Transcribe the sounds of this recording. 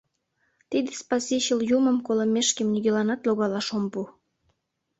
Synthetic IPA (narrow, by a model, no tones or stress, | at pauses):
t̪id̪espɑsiɕəljuməmkolə̆meʃkemnyɣʲelɑnɑt̪loɣɑlɑʃompu